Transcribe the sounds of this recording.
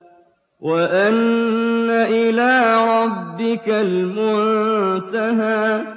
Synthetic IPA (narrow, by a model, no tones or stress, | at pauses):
waʔanː | aʔɪlaːɾˤɑbːɪkalmʊnnt̪aɦaː